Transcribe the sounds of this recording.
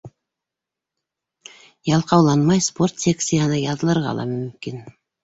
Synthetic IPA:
jɑlˠqɑwlˠɑnmɑjsport̪sʲeksʲijanəjɑɤlˠɤɾʁɑ̰lˠɑ̰mʏmkin

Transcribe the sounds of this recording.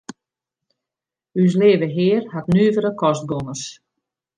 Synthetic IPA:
ys̬leːvəɦɪːrhatnyːvəɾəkɔst̚ɡonəs

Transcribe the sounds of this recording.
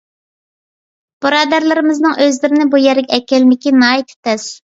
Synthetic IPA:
b̥ɨɾɑːd̪æɾlˠɨɾɪmɪznɨŋøzlɪɾɪnɪbujɛɾɡʲɛɛkʲɛlmɪkʲinɑːit̪ʰɪ̥t̪ʰɛs

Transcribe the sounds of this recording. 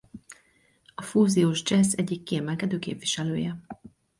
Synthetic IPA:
ɒfuːzijoːʒd͡ʒɛsɛɟːikːiɛmɛlkɛd̪øːkḛːpʋiʃɛløːjɛ

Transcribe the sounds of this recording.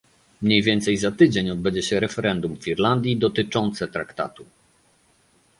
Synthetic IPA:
mɲejvʲjɛnt̪sɛjzat̪ɘd͡ʑeɲɔd̪̚bɛɲd͡ʑɛɕɛɾɛfɛɾɛnd̪umfʲiɾland̪ʲjid̪ɔt̪ɘt͡ʂɔnt̪sɛt̪ɾakt̪a̰t̪u

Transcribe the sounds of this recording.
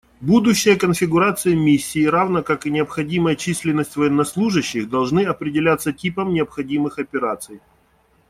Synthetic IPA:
bud̪ʊɕːɪjəkənfʲɪɡʊɾat̪sɨjəmʲisʲːɪːɾavnəkakɨnʲɪəpxɐdʲiməjət͡ɕisʲlʲɪnːəsʲtʲvəjɛnːɐslˠuʐɨɕːɪxd̪ɐlˠʐnɨɐpɾʲɪdʲɪlʲat̪sətʲipəmnʲɪəpxɐdʲimɨxɐpʲɪɾat̪sɨj

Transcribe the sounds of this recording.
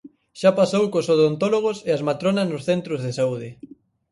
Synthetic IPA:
ʃapasowkosoðont̪oloɣ̞oseazmat̪ɾonɐznʊsθent̪ɾozðesauð̞ɪ

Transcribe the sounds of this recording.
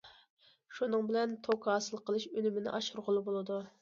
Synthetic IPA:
ʃunɨŋbɪlɛnt̪ʰokʰɑːsɨlˠqʰəlˠɨʃølymɪnɪ̰ʔɑʃuɾʁʊlˠɨbolˠɨd̪u

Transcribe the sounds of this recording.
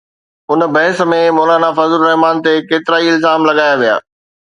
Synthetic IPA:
ʊnbɐɦɪs̆mẽmoːlaːnafɐzlɾɐɦmaːnt̪ekeːt̪ɪɾaːiɪlzaːmlɐɠaːjaʋija̰ː

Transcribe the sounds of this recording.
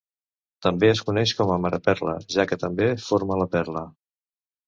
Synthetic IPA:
t̪əmbeəskunɛʃkɔməməɾəpɛrlə̰ʒakət̪əmbefoɾmələpɛrlə

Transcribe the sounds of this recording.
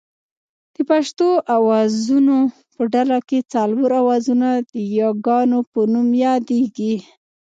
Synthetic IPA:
d̪̥əpaʃt̪oʔawɑzuno | pəɖalaket͡sɑlwəɾawɑzunad̪̥əjɑɡɑnopənumjɑd̪eɡi

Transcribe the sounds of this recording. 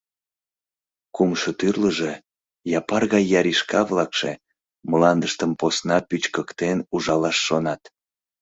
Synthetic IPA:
kumʃot̪yrləʒe | jɑpɑrɣɑjːɑɾiʃkɑβlɑkʃḛ | məlɑnd̪əʃt̪əmposnɑpyt͡ɕkəkt̪enuʒɑlɑʃːonɑt̪

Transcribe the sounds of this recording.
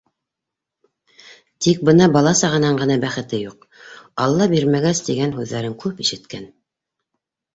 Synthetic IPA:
t̪ik̚bɤnɑbɑlˠɑsɑʁɤ̆nɑɴɢɤ̆nɑbæχɘ̆t̪ɘjuq | ɑlˠːɑbiɾmæɡæst̪iɡænɦʉðːæɾɘŋkʉpiʃɘ̆t̪kæn

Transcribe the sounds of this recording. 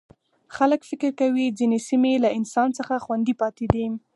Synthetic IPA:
xaləkfɪkɪɾkawid͡zinesimelaɪnsɑnt͡səxaxwand̪ipɑt̪ed̪i

